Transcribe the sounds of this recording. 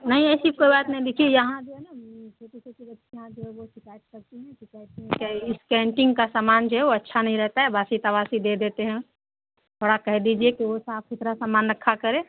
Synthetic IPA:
nɐɦĩɛːsikoːibaːt̪nɐɦĩd̪ekʰiejɐɦãd͡ʒoɦɛnat͡ʃʰoːʈ̪it͡ʃʰokibɐtːʃijãd͡ʒoɦɛʋoʃɪkaːjət̪kɐɾt̪iɦɛ̃ʃɪkaːjt̪mẽkeskɛ̃ːɳʈɪ̃ŋɡkasaːmaːnd͡ʒoɦɛʋoɐtːʃʰanɐɦĩɾɛɦt̪aɦɛbaːsit̪ɐbaːsid̪ed̪eːt̪eɦɛ̃ | t̪ʰoɽakɛɦd̪iːd͡ʒiekiʋosaːpɪt̪ɾasaːmaːnɾɐkʰːakɐɾẽː

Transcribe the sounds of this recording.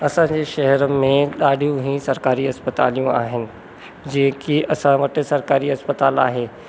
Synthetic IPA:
ɐsãɲd͡ʑeːʃɐɦəɾəmẽɗaːɖʱijũɦĩsɐɾkaːɾiɐspət̪a̰ːlijũa̰ːɦɪnɪ̆ | d͡ʑɐ̃ɦɪ̃kiʔɐsãʋɐʈɪ̆sɐɾkaːɾiɐspət̪aːla̰ːɦeː

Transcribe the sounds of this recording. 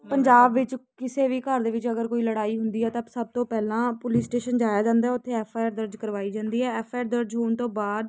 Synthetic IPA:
pəɲd͡ʒaːbʋɪt͡ʃkɪseːʋiːkəɾd̪eːʋɪt͡ʃəɡəɾkoːiːləɽaːiːɦʊnd̪iːɦɛːt̪ãsəb̚t̪õːpɛːlãːpʊliːsʈeːʃənd͡ʒaːjaːd͡ʒãːnd̪aɦɛːʊt̪ʰːeːɛːpʰaːjaːɾd̪əɾd͡ʒkəɾʋaːiːd͡ʒãːnd̪iːɦɛːɛːpʰaːjːɾd̪əɾd͡ʒɦoːnt̪õːbaːd̪

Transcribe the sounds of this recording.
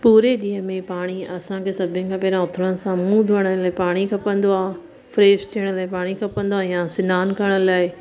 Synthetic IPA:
puːɾeɗiːə̃mẽpaːɽ̃iɐsãkʰeːsɐbʱɪənɪ̆kʰãːpɛːɾãʊt̪ʰɽ̃ənɪ̆sãmũd̪ʱʊəɽ̃əlaːɪpaːɽ̃ikʰɐpə̃nd̪oaː | fɾeːst͡ɕʰiːəɽ̃laːɪpaːɽ̃ikʰɐpə̃nd̪oaːjãsɪnaːnkɐɾəɽ̃əlaːɪ

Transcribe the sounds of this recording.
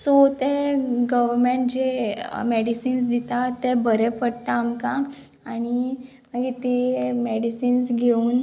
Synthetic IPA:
sot̪ɛɡəʋəɾmeɳʈ̚d͡ʑemeɽisiːnsd̪it̪at̪ɛbʱəɾɛpəɽt̪aːmka | aɽ̃i | maɡit̪emeɽisiːnsɡʱeuːn

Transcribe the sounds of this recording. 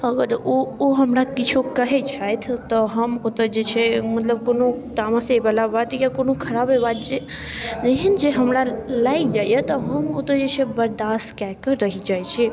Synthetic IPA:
ɐɡəɾooɦəmɾakɪt͡ʃʰokəɦet͡ʃʰat̪ʰt̪ɔɦəmʊt̪əd͡ʒet͡ʃʰemɐt̪ləb̚koːnot̪aːmãsebalabat̪jakonokʰɐɾaːbebat̪d͡ʒe | d͡ʒeɦind͡ʒeɦəmɾalaːid͡ʒaːjjet̪ɔɦəmʊt̪əd͡ʒet͡ʃʰebɐɾd̪aːst̪kakəɾəɦid͡ʒaːjt͡ʃʰi

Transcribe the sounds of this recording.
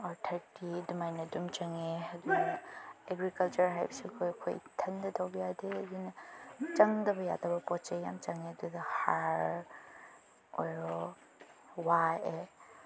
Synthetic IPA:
aɾtʰɐɾtidumajnɐdumt͡ʃɐŋeɦɐdu | eɡɾikɐlt͡ʃɐɾɦajbsikʰojkʰo̰jtʰɐndɐtʰawbijadeɐdinɐt͡ʃɐŋdɐbɐja̰dɐbɐpɔt͡ʃejamt͡ʃɐŋedudɐhaɾ | ɔ̰jɾɔ | wae

